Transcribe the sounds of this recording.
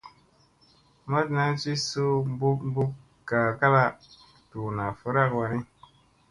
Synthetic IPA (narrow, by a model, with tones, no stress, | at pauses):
ma˦tna˦t͡ʃi˦su˦bu˦m˦bu˦ | ka˨ka˦la˦˨ | tu˨na˨fə˦ɾa˦kwa˧ni˦